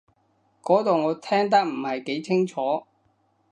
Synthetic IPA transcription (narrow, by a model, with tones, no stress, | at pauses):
kɔː˨˥t̪o˨wŋɔː˨˧t̪ʰɛː˥ŋt̪̬ɐ˥k̚m̩˨˩hɐ˨jke˨˥jt͡sʰɪ˥ŋt͡ʃʰɔː˨˥